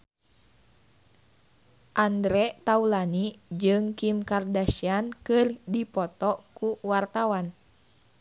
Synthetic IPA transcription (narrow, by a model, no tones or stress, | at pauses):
ʔandɾɛt̪aulanid͡ʒɨŋkimkardaʃiankɨrdipɔt̪ɔkuwart̪awan